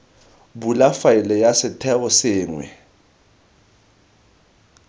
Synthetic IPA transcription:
bulafajilɛjasɪtʰɛɔsɪːŋwɛ̰

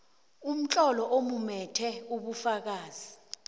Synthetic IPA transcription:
um̩t͡ɬʼɔlɔʔomumɛtʰɛuɓufak̬aːzi

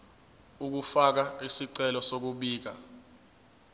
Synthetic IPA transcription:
uk̬ufak̬aisiǀɛlɔsok̬uɓiːk̬a

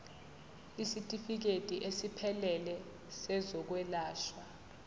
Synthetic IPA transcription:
isitʼifik̬etʼiʔesipʰɛlɛlɛ | sɛzɔk̬wɛlaːʃwa

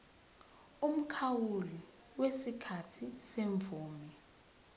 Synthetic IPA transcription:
um̩kʰawuli | wesikʰatʰiseɱb̪vʱuːmi

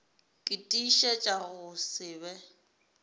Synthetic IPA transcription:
kʼɪtʼiʃɛt͡ʃʼaɣʊsɪːbɛ

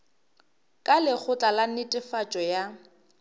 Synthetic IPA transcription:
kʼalɪk͡xʰʊt͡ɬʼalan̩nɪtʼɪfat͡ʃʼɔja

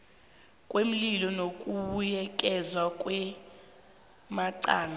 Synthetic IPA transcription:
kʼwem̩lilɔnokʼuɓujɛkʼɛzwakʼwɛ | maǀaːna

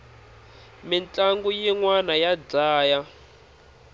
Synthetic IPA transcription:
mint͡ɬʼaŋɡujiŋwanajad͡zaːja

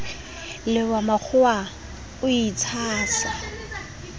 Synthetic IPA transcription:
lɪwamak͡xʰʊa | ʊit͡sʰaːsa

